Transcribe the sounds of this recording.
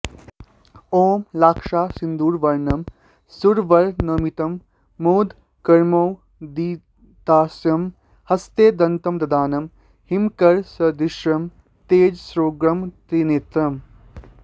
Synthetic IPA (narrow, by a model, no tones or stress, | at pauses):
oːmlaːkʂaːsind̪uːɾʋɐɾnɐm | suɾʋɐɾnɐmit̪ɐmː | oːd̪ | kɐɾmoːw | d̪iː | t̪aːsjɐm | hɐst̪eːd̪ɐnt̪ɐmd̪ɐd̪aːnɐm | himkɐɾsɐd̪iʃɾɐm | t̪eːd͡ʒsɾoːɡɾɐmt̪ɾineːt̪ɾɐm